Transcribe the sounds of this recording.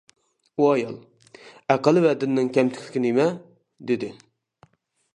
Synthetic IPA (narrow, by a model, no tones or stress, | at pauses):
uɑjɑ̰lˠ | æqəlˠɨvɛd̪ɪnːɪŋkʲɛmt̪ʰɪ̥kʰʲt̪ɪ̥kʲɪnemɛ | d̪ɪd̪ɪ